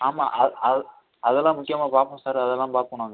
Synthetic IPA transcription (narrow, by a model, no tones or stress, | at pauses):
aːma̰ːʔɐɐð | ɐðɛlːãːmʊkːɪjɐmaːpaːpõːsaːɾɐðɛlːãːpaːpɯkːɐɳaːŋɡɐ